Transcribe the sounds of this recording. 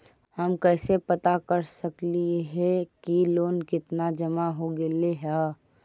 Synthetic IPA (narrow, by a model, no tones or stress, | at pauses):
həmkɛːsepət̪akəɾsəkliɦɛkiloːnkɪt̪nad͡ʒəmaɦoɡeːleɦa